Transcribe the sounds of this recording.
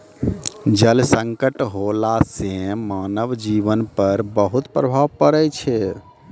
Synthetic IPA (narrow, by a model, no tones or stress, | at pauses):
d͡ʒəlsə̃ŋkəʈɦolasẽmanəbd͡ʒiʋənpəɾbəɦut̪pɾəbʱaʋpəɾɛt͡ʃʰɛ